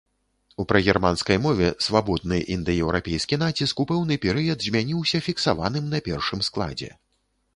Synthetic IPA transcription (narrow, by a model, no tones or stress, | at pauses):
upɾɐɣʲɛrmanskɐjmɔvʲɛsvabɔd̪̚nɨʔind̪ɨjɛwɾapʲɛjskʲinat͡sʲiskupɛwnɨpʲɛɾɨjɐd̪zʲmʲanʲiwsʲɐfʲiksava̰n̪ɨmnɐpʲɛrʂɨmsklˠa̰d͡zʲɛ̰